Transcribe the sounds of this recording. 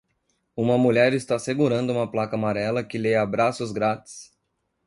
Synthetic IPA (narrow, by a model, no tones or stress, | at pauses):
ũmɐmuʎɛɾɪst̪aseɡuɾɐ̃nd̪ʊũmɐplakɐamaɾɛlɐkɪleɐabɾasʊzɡɾat̪ɪ̥s